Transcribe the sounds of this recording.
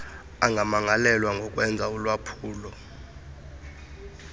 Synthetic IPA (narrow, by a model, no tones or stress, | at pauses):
aŋɡʱamaŋalɛlwaŋɡʱɔkʼwɛnd͡zʱaulwapʰuːlɔ